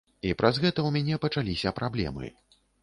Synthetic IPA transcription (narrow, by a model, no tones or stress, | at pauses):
ipɾɐzɣɛt̪ɐwmʲanʲɛpɐt͡ʂalʲisʲɐpɾablʲɛ̰mɨ̰